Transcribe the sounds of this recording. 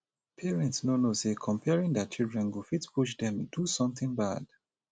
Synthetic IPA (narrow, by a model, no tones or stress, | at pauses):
pʰɛɹɛ̃ntsnonosekʰɔ̃mpʰɛɹĩŋdɛt͡ʃildɹɛ̃nɡofitpʰuʃ̬dɛ̃mdusɔ̃mθɪ̃ŋbad̥